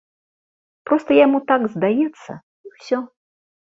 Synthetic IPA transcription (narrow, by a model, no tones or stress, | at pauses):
pɾɔst̪ɐjamut̪aɡzd̪ajɛt̪sːɐ̰ | iwsʲɔ